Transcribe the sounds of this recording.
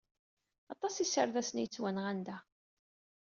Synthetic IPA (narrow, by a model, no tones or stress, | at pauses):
ɑt̪ˤɑsisəɾðæsənjət͡sːwænʁænd̪æ